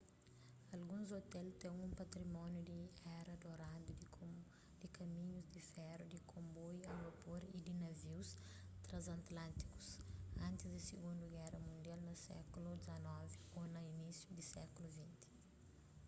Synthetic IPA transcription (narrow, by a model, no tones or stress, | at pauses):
ɐlɡũzot̪ɛlt̪ɛ̃ŋ̃ũmpɐt̪ɾimɔ̃njud̪iɛɾɐd̪oɾad̪ud̪ | d̪̥ikɐmĩɲuzd̪ifɛɾud̪ikʰõmbɔjɐ̃ɡɐpuɾid̪inɐviwst̪ɾɐ̃zɐ̃nt̪lɐ̃nt̪i̥ku̥sɐ̃nt̪izd̪isiɡũnd̪uɡɛrɐmũnd̪jalnɐsɛ̰kulud̪izɐnɔvionɐinisjud̪isɛ̰kuluvĩnt̪i̥